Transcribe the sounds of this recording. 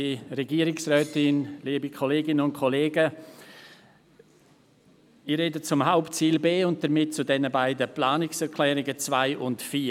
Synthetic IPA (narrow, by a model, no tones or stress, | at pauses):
iɾɛɡiːəɾɪksrœːtɪnliːbikʰɔleːɡɪnənʊntkʰɔleːɡə | ɪɾɛdət͡sʊmɦaʊptt͡siːlbeːʊnt̚d̥əɾmɪt̚t͡sʊdɛnəbaɪdəplaːnɪksɛɾkʰlɛːɾɪɡət͡svaɪʔʊntfiː